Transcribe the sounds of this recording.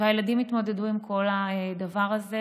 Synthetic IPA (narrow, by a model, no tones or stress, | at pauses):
ajeladimit̪mo̞de̞duimkʰo̞lad̪avaʁaze